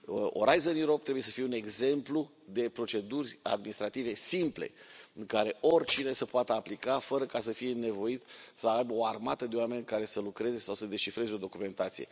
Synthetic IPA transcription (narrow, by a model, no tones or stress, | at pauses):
o̰ɾajzənjuɾop̚t̪ɾebujesəfijeuneɡze̞mplu | d̪e̞pɾo̞t͡ʃe̞d̪urʲa̰d̪minist̪ɾat̪ive̞simple̞̰ɨŋkaɾe̞ʔorʲt͡ʃine̞səpoat̪əaplikafəɾəkasəfije̞ne̞vo̞it̪səajbəo̞armat̪əd̪eoame̞nkaɾe̞səlukɾe̞ze̞sawsəd̪e̞ʃifɾe̞zeo̞d̪o̞kume̞nt̪at̪sije̞̰